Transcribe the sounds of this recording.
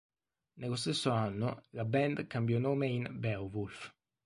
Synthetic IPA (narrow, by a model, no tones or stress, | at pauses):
neɣost̪esːʊanːʊlabɛnd̪kambjɔnoːmeinbɛwvulf